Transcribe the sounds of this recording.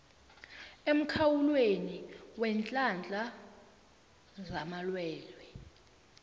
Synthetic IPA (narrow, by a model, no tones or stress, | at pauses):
em̩kʰawulweniwɛnt͡ɬʼand͡ɮʱa | zamalwɛːlwɛ